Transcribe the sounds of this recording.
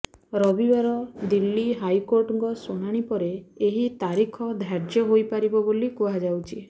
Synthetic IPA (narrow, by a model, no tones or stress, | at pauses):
ɾɔbibaɾɔd̪ilːiɦajkoɾʈɔŋkɔsoɽ̃aɽ̃ipɔɾeːɦit̪aɾikʰɔd̪ʱaɾd͡ʒjɔɦojpaɾibɔbolikuɦad͡ʒawt͡ʃʰi